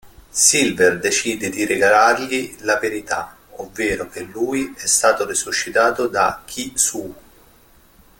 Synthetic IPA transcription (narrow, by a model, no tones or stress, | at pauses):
silverd̪et͡ʃiːd̪ed̪iɾeɡalarʎilaveɾit̪a̰ | ovːeːɾok̟elːuːjiɛst̪aːt̪orisuʃːit̪aːt̪od̪a̰kʰːisu